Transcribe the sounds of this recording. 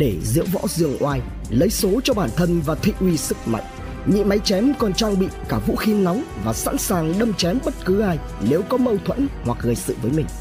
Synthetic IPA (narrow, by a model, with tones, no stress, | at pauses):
ɗe˧˩zɨ̰˧˥əwvɔ̰˧˥zɨ˨˩əŋʔwaː˧˩j | lə˨˦jso˨˦t͡ɕɔ˧ɓaː˧˩nt̪ʰə˧nvaː˨˩t̪ʰḭ˧˨ʔwi˧sɨ˦˥k̚ma̰˧˨jŋ̟ | ɲḭ˧˨ma˨˦jt͡ɕɛ˨˦mkɔ˨˩nt͡ɕɔ˧ŋŋ͡mɓḭ˧˨kaː˧˩vṵ˧˥xi˨˦na˨˦wŋ͡mvaː˨˩sa̰˧˥nsaː˨˩ŋɗə˧mt͡ɕɛ˨˦mɓə˦˥t̚kɨ˨˦ʔaː˧j | ne˨˦wkɔ˨˦mə˧wt̪ʰwə˧˥nhwa˨˩k̚ɣəː˨˩jsɨ̰˧˨vəː˨˦jmï˨˩ŋ̟